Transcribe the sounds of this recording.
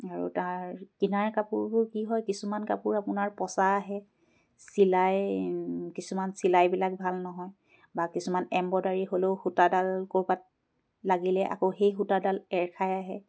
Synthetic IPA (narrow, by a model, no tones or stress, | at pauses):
aɹṵtaɹkinaɹkapʊɹbʊɹkiɦɔjkisumanka̰pʊɹapʊnaɹpɔsaːɦɛ | silaj | kisumansilajbilak̚bʱalnɔɦɔj | bakisumanɛmbɔdaɹiɦoleʊxutadalkoɹbat̚ | laɡilɛʔa̰koxejxutadalɛɹkʰajaɦɛ